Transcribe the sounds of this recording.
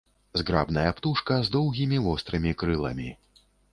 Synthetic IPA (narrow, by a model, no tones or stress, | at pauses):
zɣɾa̰bnɐjɐpt̪uʂkɐzd̪ɔwɣʲimʲivɔst̪ɾɨmʲikɾɨlˠɐ̰mʲi